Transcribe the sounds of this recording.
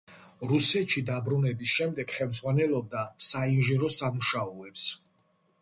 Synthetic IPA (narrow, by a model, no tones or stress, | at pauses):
ɾusɛt̪ʃid̪abɾunɛbisʃɛmd̪ɛɡ̥χɛlˠmd̪zʁwanɛlɔb̚d̪asainʒiɾɔsamuʃaɔɛps